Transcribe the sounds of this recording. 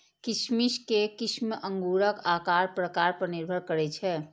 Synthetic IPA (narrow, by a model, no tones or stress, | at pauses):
kɪʃmiʃkekɪʃmʔə̃ŋɡuːɾəkaːkaɾpɾəkaːɾpəɾniɾbʱəɾkəɾɛt͡ʃʰɛː